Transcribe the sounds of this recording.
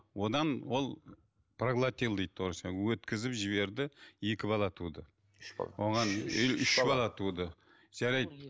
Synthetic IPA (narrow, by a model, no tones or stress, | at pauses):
wo̞d̪ɑnwo̞lˠ | praɡlˠat̪ʲelˠd̪ejd̪̚t̪ːʰoɾsɑwɵt̪kʲɪzɪpʒɪβe̞ɾd̪ɪje̞kʲɪbɑlˠɑt̪ʰud̪ə̰ | wo̞ʁɑnʏlʏʃbɑlˠɑt̪ʰud̪ə | ʒ̥æɾɑjd̪̚